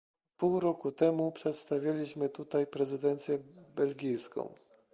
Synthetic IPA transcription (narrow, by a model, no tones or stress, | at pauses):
puwɾɔkut̪ɛmupʂɛt̪st̪avʲjalʲiɕmɘt̪ut̪ajpɾɛzɘd̪ɛnt̪sʲjɛbɛlɡʲijskɔ̰̃w̃